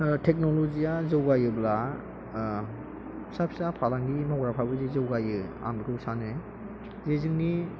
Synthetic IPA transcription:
tʰek̚nolozijazɯwɡajɯbla | sap̚sapʰalaŋɡimawɡɾapʰabɯzizɯwɡajɯa̰mdkʰɯwsanɯ | zezɯŋni

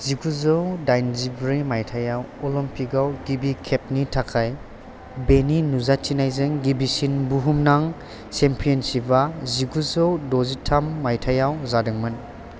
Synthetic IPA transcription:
ziɡuzɯwdajnzibɾimajtʰajawɔlɔmpiɡawɡibikʰep̚nitʰakʰaj | beninuzat͡ʃinajzɯŋɡibisinbuɦumnaŋ | sempʰijɔnsibaziɡuzɯwdɔzitʰamːajtʰajawzadɯŋmɯn

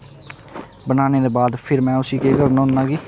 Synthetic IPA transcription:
bənaːneːd̪eːbaːd̪pʰɪɾmɛ̃ːʊsiːkeːkəɾnõːnːaːɡiː

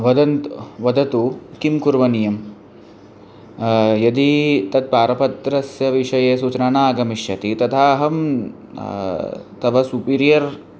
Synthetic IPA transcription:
ʋɐd̪ɐnt̪ʋɐd̪ɐt̪ukimkuɾʋɐnijɐm | jɐd̪it̪ɐt̪̚paːɾɐpɐt̪ɾɐsjɐʋiʂɐjeːsuːt͡ʃnaːnaːɡɐmiʃjɐt̪it̪ɐt̪ʰaːɦɐm | t̪ɐʋɐsupiːɾijɐɾ

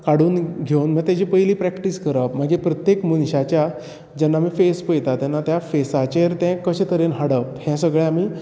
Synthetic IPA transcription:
kaɽuːnɡʱewnmɛ̃t̪jad͡ʑipəjliːpɾɛkʈiskəɾəpm̤aɡepɾət̪jekmunɕat͡ɕja | d͡ʑɛnːamiːfespəjt̪at̪jɛnːat̪jafesat͡ɕeɾt̪ɛ̃kəɕẽt̪ʰəɾenɦaɽəphɛ̃səɡɭɛamiː

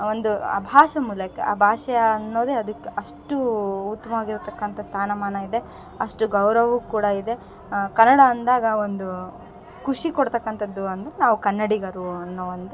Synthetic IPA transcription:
o̞nd̪uɐ̰bʱaːʂɐmuːlɐkːḛʔɐ̰bʱaːʂɐjɐːnːo̞ːd̪eɐd̪ɐkːeʔɐʂʈuut̪ːɐmɐʋaːɡiɾut̪ɐkːɐnt̪ʰɐst̪ʰaːnɐmaːnɐid̪e̞ | ɐʂʈuɡɐwɾɐʋuːkuːɽɐid̪e̞ | kɐnːɐɽɐːnd̪aːɡɐo̞nd̪u | kuʂikɔɽt̪ɐkːɐnt̪ʰɐd̪ːuɐnd̪ɐɾenaːʋukɐnːɐɽiɡɐɾunːɐʋɐnd̪e

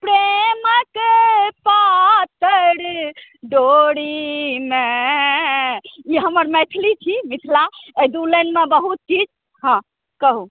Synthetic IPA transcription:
pɾeməkepat̪əɾɖoɽime | iɦəməɾmet̪ʰlit͡ʃʰimit̪ʰlaed̪ulenmebəɦut̪̚t͡ʃid͡ʒ | hə̃ | kəɦu

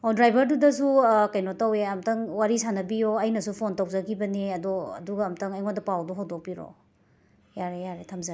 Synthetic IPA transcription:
odɾajbɐɾdudɐsukɐjnotaweɐmtɐŋwaɾisanɐbijoɐjnɐsupʰontɐwzɐɡibɐniɐdɔɐ̰duɡɐːmtɐŋɐjŋodɐpawduɦawdok̚piɾo̰ | jaɾejaɾetʰamza

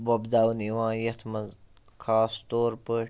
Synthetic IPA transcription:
bɐbd̪aːwniʋãːjɐt̪ʰmɐ | kʰaːst̪oːɾpəː

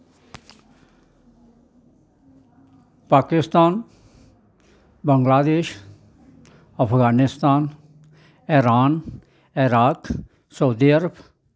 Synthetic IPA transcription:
paːkɪst̪aːn | bəŋɡlaːd̪eːʃ | ɐpʰɡaːnɪst̪aːn | eɾaːn | ɪɾaːk | səud̪iəɾəb

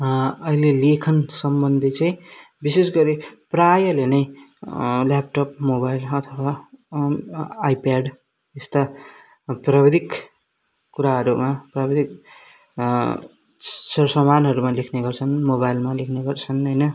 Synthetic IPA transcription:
ʌilelekʰʌnsʌmbʌnd̪ʱit͡sãĩ | bisesɡʌɾiprajʌlenʌj | lap̚ʈʌpmobajlʌt̪ʰʌwa | jpaɖ | est̪a | prabed̪ʱik | kuɾaɦʌɾumaprabed̪ʱik | sʌsʌmanɦʌɾumalekʰneɡʌrt͡sʰʌnmobajlmalekʰneɡʌrt͡sʰʌnɦʌjnʌ

